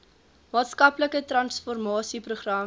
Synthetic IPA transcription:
mɑːtskɐpləkətrɐnsfɔrmɑːsipruχrɐ

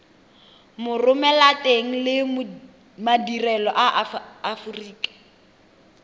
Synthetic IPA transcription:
mʊrʊmɛlateŋ̩lɪm | madirɛlɔʔaːfuriːkʼḁ

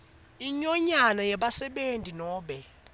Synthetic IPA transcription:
iɲɔɲanajɛɓasɛɓentʼinɔːɓɛ

